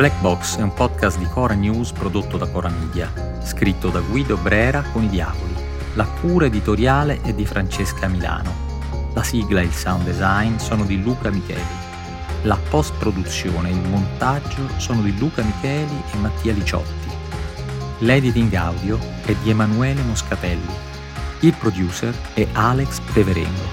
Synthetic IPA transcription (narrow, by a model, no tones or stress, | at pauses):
blɛk̚bɔksɛumpɔd̪kast̪d̪ikʰɔːɾanjuːzpɾod̪ot̪ːod̪akɔːɾamiːd̪ja | skɾit̪ːod̪aɡwiːd̪obɾɛːɾakonid̪ja̰ːvoli | lakʰuːɾaed̪it̪oɾjaːleʔɛd̪ːifɾant͡ʃeskʰamila̰ːno | lasiɡlaeilsawnd̪ɛzajnsɔːnod̪iluːkamikɛ̰ːli | lapɔst̪̚pɾod̪ut̪sːjo̰ːneilmont̪ad͡ʒːosɔːnod̪iluːkamikʰɛːliʔemːat̪ʰːiːalit͡ʃɔ̰t̪ːi | lɛd̪it̪iŋɡawd̪jo | ɛd̪ːiemanuɛːlemoskat̪ɛlːo | ilpɾod̪juːsɛrɛʔalekspɾeveɾɛ̰no